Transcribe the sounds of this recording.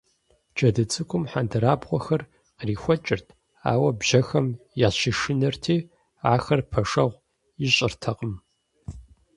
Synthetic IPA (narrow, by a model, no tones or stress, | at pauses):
d͡ʒʼɐdɨt͡sʼɨkʷʼʊmħandʰɐɾaːbʁʷɔxɐr | qriːxʷɔt͡ʃʼɪrtʰ | a̰ːwɐbʒ̥ɐxɐmjaːʃiʂɪnɐrtʰiː | aːxɐrpʰɐʂɐʁʷ | jɪɕʼɪrtʰɐqʼəm